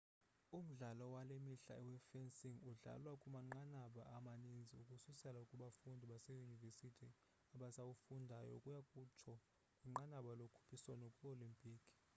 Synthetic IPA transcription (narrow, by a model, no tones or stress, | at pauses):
um̩ɮalɔwalemiɬa̰ɛwɛfɛnsiŋuɮa̰lwakʼumaŋ͡ǃanaɓaamanind͡zʱiukʼususɛlaukʼuɓafundʱiɓasejunivesitʰi | aɓasawufundʱajɔ̰kʼujakʼut͡ʃʰɔ | kʼiŋ͡ǃanaɓalokʰu̥pʰiswanɔkʼuolimpʼiːkʰʼ